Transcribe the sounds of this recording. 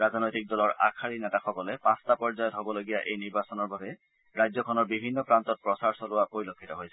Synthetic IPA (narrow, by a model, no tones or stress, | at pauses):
ɹaznojtik̚dɔlɔɹʔa̰kʰaɹinɛtaxɔkɔlepãstapɔɹzajɔtɦobɔloɡijaʔejniɹbasɔnɔɹbʱabɛ | ɹajzɔkʰɔnɔɹbibʱinːɔpɹantɔt̚pɹɔsaɹsɔlʊapoɹilokʰːitɔɦojsʰɛ